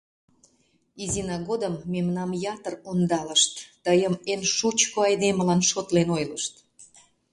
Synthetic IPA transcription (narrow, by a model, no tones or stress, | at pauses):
izinɑɣod̪əmːemnɑmjɑt̪ərond̪ɑləʃt̪ːəjəmenʃut͡ɕkoɑjd̪eməlɑnʃot̪lenojləʃt̪